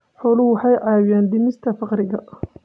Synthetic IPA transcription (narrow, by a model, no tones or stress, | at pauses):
ħɔːlʊwwɑħɑjʕɑːwɪjaːnd̪ɪmɪst̪ʰɐfɑqɾɪɣɐ